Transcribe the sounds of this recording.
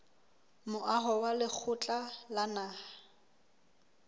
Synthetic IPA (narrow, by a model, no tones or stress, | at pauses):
mʊʔaɦɔwalɪk͡xʰʊt͡ɬʼalanaː